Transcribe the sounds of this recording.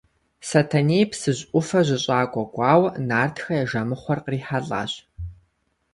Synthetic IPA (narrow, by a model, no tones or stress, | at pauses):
sɐtʰɐneːpʰsɨʑʼʔʷʊfɐʑʷɪɕʼaːkʷʼɔɡʷʼɑːwnaːrtʰxɐjɛʒɐmɨχʷɔrqriːħaɮʼa̰ːɕ